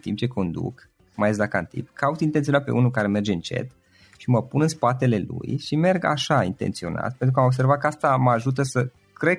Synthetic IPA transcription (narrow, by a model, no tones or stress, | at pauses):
t̪imp̚t͡ʃeko̞nd̪ṵk | majes̬d̪aka̰nt̪ḭpkʰaut̪int̪ent̪sionat̪pe̞̰unulkaɾe̞me̞rd͡ʒeɨnt͡ʃḛt̪ | ʃiməpunɨnspat̪e̞le̞lṵjʃime̞rɡa̰ʃaint̪e̞̰nt̪sio̞̰na̰t̪̚pent̪ɾukao̞bs̬e̞rvakəast̪aməaʒut̪əsə | kɾe